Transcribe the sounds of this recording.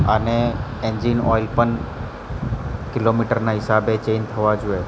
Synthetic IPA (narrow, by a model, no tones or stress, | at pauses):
əneend͡ʒinɔilpəɳ | kɪlomiʈəɾnaɦɪsabet͡ʃent̪ʰəʋad͡ʒue